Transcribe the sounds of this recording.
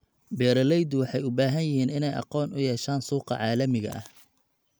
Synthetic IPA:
bɛːɾɐlɛjd̪wɑħɑjʊbaːɦɐnjɪhiːnɪnɛjʔɑ̰qɔːnʊjɛːʃaːnsuːqɑ̰ʕɑːlɐmɪɣɐ̰ʔɐ̰h

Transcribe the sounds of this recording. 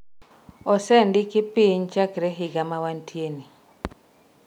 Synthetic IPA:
ɔsɛndɪkɪpiɲt͡ʃakɾɛɦɪɡamawantʰjeni

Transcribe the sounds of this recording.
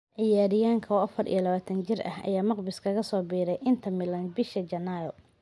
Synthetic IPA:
ʕɪjaːɾɪjaːŋkʰɐɔɐfɐrḭjɐlɐβaːt̪ʰɐnt͡ʃɪrʔɐ̰hɐ̰jaːmɑqbɪskʰɐɣɐsɔːbiːɾɛjʔɪnt̪ʰɐmɪlɐnbɪʃɐd͡ʒɐnajɔ

